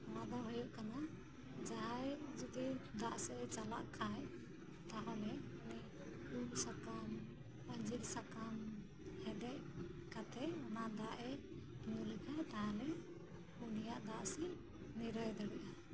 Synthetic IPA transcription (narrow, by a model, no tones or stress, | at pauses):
mad̪aɦɔjɔʔkana | d͡ʒajd͡ʒɔd̪id̪aʔsɛt͡ʃala̰ʔkʰaj | t̪aɦɔmɛuni | ulsakam | ənd͡ʒilsakam | hɛd̪ɛʔkat̪ʰɛɔnad̪aʔɛ | nulkʰajt̪aɦalɛ | unijaʔd̪aʔsɛ | niɾəjd̪ɔɽiʔa